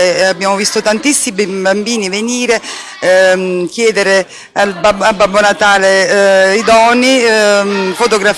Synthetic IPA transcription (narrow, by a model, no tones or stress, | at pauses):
eabːjaːmovist̪ot̪ant̪isːibambiːniveniːɾe | kjɛːd̪eɾe | albabababːonat̪aːleid̪ɔnːi | fot̪oɡɾaf